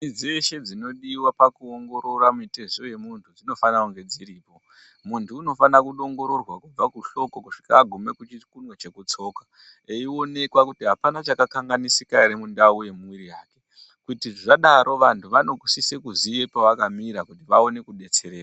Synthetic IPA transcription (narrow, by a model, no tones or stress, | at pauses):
id͡zeʃe̞d͡zino̞ɗiwapakuoŋɡo̞ɾo̞ɾamite̞zo̞je̞muntʰud͡zino̞fanauŋɡe̞d͡ziɾiːpo̞ | muntʰuːno̞fanakuɗo̞ŋɡo̞ɾo̞rwakub͡vakuʃo̞ko̞kuʂi̥kaːɡʱume̞kut͡ʃikunwet͡ʃe̞kut͡so̞kḁ | eio̞ne̞kwakutiɦapanat͡ʃakakaŋɡanisikaɾemundauje̞muwiɾijaːke̞ | kutiʐʐaɗaɾʔo̞ʋantʰuʋano̞kwisise̞kuziepaʋakamiɾakutiʋao̞ne̞kuɗe̞t͡se̞ɾeːra